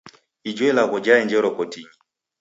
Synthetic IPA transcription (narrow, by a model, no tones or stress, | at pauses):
id͡ʒwɛlaɣɔd͡ʒaɛnd͡ʒɛɾɔkɔtiɲi